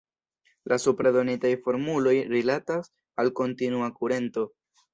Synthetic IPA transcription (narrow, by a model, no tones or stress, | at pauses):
lasupɾado̞nitajfo̞ɾmulo̞jɾilatas | alko̞ntinuakuɾe̞nto̞